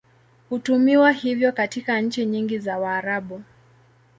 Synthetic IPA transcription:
hutumiwahivjɔkatikanɲ̩t͡ʃiɲiŋɡizawaːɾaɓu

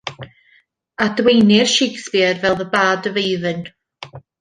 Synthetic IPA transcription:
adwejnɪrʃekspɪrvɛlˠðəbaːdəvejðɨn

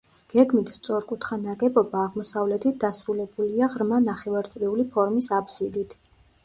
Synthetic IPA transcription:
ɡ̥ɛɡmit̪ʰst̪sʼɔɾkʼut̪ʰχanaɡɛbɔbaːʁmɔsavlɛt̪ʰit̪̚ʰd̪asɾulɛbuliaʁɾmanaχɛvaɾt̪sʼɾɛulipʰɔɾmisapʰsid̪it̪ʰ

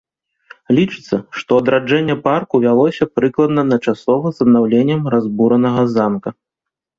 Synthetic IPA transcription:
lʲit͡ʂɨ̥t̪sːɐʂt̪ɔɐd̪ɾad͡ʐɛnʲːɛparkuvʲalˠɔsʲɐpɾɨklˠɐd̪nɐnɐt͡ʂasɔvɐzɐd̪nawlʲenʲːɐmrazbuɾɐnɐɣɐzamkɐ

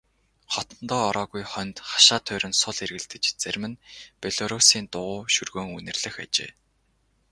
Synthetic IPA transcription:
χɔt̪ɞ̆nt̪ɔːɾɔːɣujχœnt̪χḁʃaːt̪ʰœːɾɘ̆nsʊɮerɣɘ̆ɮt̪ɘ̆t͡ɕt͡særʲmɘ̆npʲeɮɔɾusiːnt̪ʊʁʊːʃɵrɣoːŋunɘ̆rɮɘ̆xa̰t͡ɕḛː

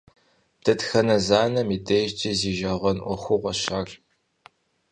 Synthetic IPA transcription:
d̥ʰɐtxɐnɐzaːnɐmidʰeːʒt͡ʃʼɐziːʒɐʁɐnʔʷɔxʷʊʁʷɐɕaːɬ

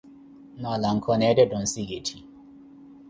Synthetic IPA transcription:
nɔlaŋ̩kʰɔnɛdɛdɔn̩siɡetʰi

